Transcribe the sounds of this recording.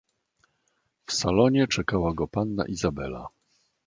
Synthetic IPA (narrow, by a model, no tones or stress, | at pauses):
fsalɔɲɛt͡ʂɛkawaɡɔpanːa̰ʔizabɛla̰